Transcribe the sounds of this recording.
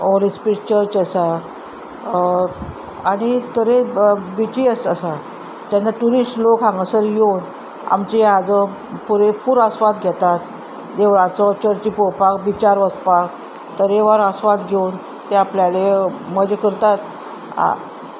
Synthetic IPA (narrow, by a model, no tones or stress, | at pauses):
olispiʈt͡ɕəɾt͡ɕəsa | aɽ̃it̪əɾebit͡ɕiəsəsa | t̪ãnːaʈuɾisʈlokɦãŋɡəsəɾjewn | a̰mt͡ɕead͡zɔ | puɾepuɾəsʋat̪ɡʱɛt̪at̪ | d̪eʋɭãt͡sɔt͡ɕəɾt͡ɕipɔpakbit͡ɕaɾʋəspak̚ | t̪əɾeʋaɾəsʋat̪ɡʱen | t̪eapljaleməd͡ʑekəɾt̪at̪ | a̰